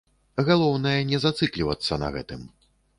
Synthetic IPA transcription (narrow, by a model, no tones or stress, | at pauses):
ɣalˠɔwnɐjɐnʲɛzat̪sɨklʲivɐt̪sːɐnɐ̰ɣɛ̰t̪ɨm